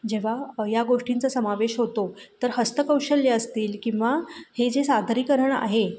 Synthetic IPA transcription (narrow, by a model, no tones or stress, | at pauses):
d͡ʑeʋ̤ajaɡoʂʈint͡səsəmaʋeɕɦot̪ot̪əɾɦəst̪əkəwɕəljəəst̪iːlkĩw̃ʋahed͡zesad̪ʱɾiːkəɾəɳa̰ɦe